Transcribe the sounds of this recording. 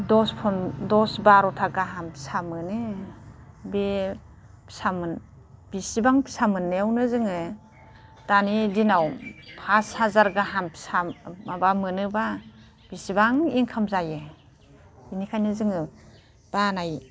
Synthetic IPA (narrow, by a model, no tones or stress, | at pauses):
dɔspʰɔndɔsbaɾɔtʰaɡaɦampi̥samɯnɯ | be | pʰi̥samɯn | b̥isibaŋpʰi̥samɯnːeawnɯzɯŋɯ | d̥anidinawpʰashazaɾɡaɦampsamabamɯnɯba | b̥isibaŋiŋkʰamzajɯ | binikʰajnɯzɯŋɯ | b̥anaj